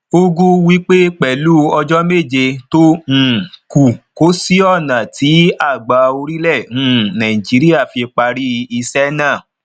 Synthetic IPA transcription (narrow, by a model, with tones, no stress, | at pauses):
o˦ɡũ˦wi˦k͡pe˦k͡pɛ˨lu˦ɔ˧d͡ʒɔ˦me˦˨d͡ʒe˧tõ˦˨ | ku˨ko˨˦si˦ɔ˦˨nã˨tʰi˨˦a˦˨ɡ͡ba˨˦o˧ɾi˦lɛ˦˨ũ˦nã˨ĩ˨d͡ʒi˨˦ɾi˦a˦˨fi˧k͡pa˧ɾi˦˧i˧sɛ˦nã˦˨